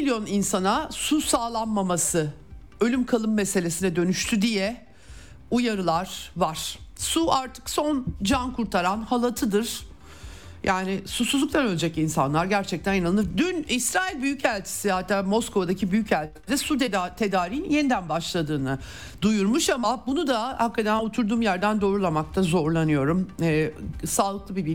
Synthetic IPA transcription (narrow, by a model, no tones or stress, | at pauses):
iljo̞ninsanasusaːlˠanmamasɯ | ø̞lʲymkʰalˠɯmːese̞lʲesinɛd̪ø̞nyʃt̪ʰyd̪ijɛ | ujaɾɯlˠaɾ̥vaɾ̥suaɾt̪ʰɯ̥kso̞nd͡ʒankʰuɾt̪ʰaɾanhalˠat̪ʰɯd̪ɯɾ̥ | jʔaːnɪsusuzˠukt̪ʰanø̞lʲɛd͡ʒɛcinsa̰nlˠaɾɟæɾt͡ʃʰɛct̪ʰænjananɯnɯɾd̪ynisɾaːilʲbyjycælʲt̪ʰi̥sɪhat̪ʰːaːmo̞skʰo̞vad̪acʰibyjycælʲt̪ʰid̪ɛsud̪t̪ʰe̞d̪aːɾijnje̞nid̪ænbaʃlˠad̪ɯːnɯ | d̪ujuɾmuʃamabunud̪ahakːat̪ʰænot̪ʰuɾd̪uːmjæɾd̪ænd̪o̞ːɾulˠamak̚t̪ʰazo̞ɾlˠanɯjo̞ɾumɛːsaːlˠɯk̚lˠɯbibi